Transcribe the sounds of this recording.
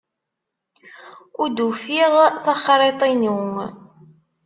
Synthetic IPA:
ʊɾd̪ufiʁθɑχɾˤet̪ˤinuŋ

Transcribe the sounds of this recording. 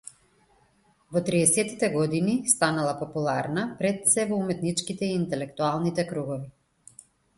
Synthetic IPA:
vɔt̪ɾiɛsɛt̪it̪ɛɡɔd̪inist̪analˠapɔpulˠaɾnapɾɛt̪sɛvɔumɛt̪nit͡ʃkit̪ɛiːnt̪ɛlɛkt̪ualˠnit̪ɛkɾuɡɔvi

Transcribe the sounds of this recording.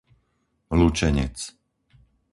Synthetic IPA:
lut͡ʃɛɲɛ̰t͡s

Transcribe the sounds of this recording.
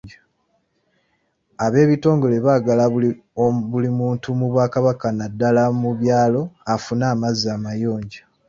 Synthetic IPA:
a | aβe̞ːβito̞ːŋɡo̞le̞βaːɡala | βulimuːntumuβwaːkaβakanadːalamuβjaːlo̞afunaːmazaːmajo̞ːɲɟa

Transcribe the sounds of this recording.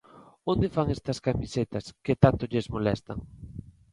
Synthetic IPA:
ond̪efaŋɛst̪ɐskamiset̪ɐskɪt̪ant̪ʊʎezmolɛst̪ɐ̰ŋ

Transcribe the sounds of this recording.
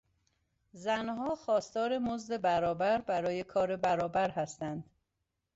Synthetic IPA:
zænhɒːxɒːst̪ɒːɾe̞mozd̪e̞bæɾɒːbæɾbæɾɒːjekʰɒːɾe̞bæɾɒːbæɾɦæst̪ænd̪̥

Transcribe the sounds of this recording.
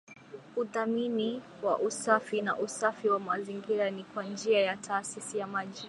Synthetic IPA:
uðamini | wa̰ʔusafinaʔusafiwamaziŋɡiɾanikwand͡ʒiajatʰaːsisijamaʄi

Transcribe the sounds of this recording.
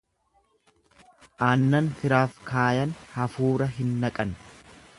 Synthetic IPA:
ʔaːnːɐnfɪɾaːfkaːjɐnhɐfuːɾɐɦɪnːɐkʼɐn

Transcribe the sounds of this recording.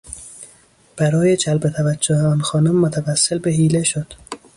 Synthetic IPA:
b̥æɾɒːjet͡ʃʰælbet̪ʰævæd͡ʒːoheɒːnxɒːnomːot̪ʰævæsːelbeɦiːleʃod̪̥

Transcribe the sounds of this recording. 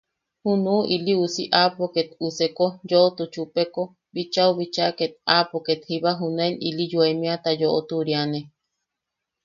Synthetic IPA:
hunuʔiliusiʔapoket̪usekojoot̪ut͡ʃupeko | bit͡ʃauβit͡ʃaket̪̚apoket̪hiβaɦunenilijuemĩat̪ajoʔot̪uɾiane

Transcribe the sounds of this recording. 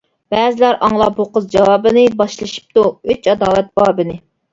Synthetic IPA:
bɛːzɪlæɾʔɑŋlˠɑpoqəzd͡ʒɑwɑːbɨnɨbɑʃlˠɨʃi̥p̚t̪uøt͡ʃɑd̪ɑːlɛt̪̚b̥ɑːbɪnɪ

